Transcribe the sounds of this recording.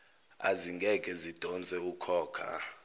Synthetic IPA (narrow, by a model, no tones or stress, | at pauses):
a̰ziŋɡʱɛkʼɛzid̥ʱɔnt͡sʼɛukʰɔːkʰa̰